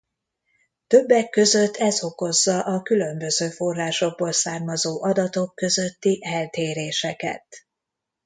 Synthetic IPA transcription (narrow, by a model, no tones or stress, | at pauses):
t̪ø̞bːɛkːø̞zø̞t̪ːɛzo̞ko̞zːɒʔɒkylø̞mbø̞zøːfo̞rːaːʃo̞ɡ̚boːlsaːrmɒzoːʔɒd̪ɒt̪o̞kːø̞zø̞t̪ːiʔɛlt̪eːɾeːʃɛkɛ̰t̪̚